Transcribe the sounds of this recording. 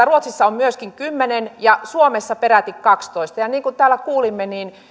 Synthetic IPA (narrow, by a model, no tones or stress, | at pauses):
æruot̪sisːɑommyøskiŋkymːenenjɑsuomesːɑpeɾæt̪ikkɑkst̪oist̪ɑjɑniːŋkunt̪æːlːækuːlimːeniːn